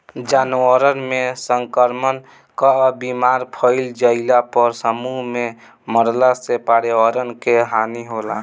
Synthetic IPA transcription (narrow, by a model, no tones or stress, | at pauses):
d͡ʒanuəɾənmesəŋkəɾmən | kabimaɾpʰəɪld͡ʒəɪlapəɾsəmuɦme | məɾlasepaɽeʋaɾənkeɦaniɦola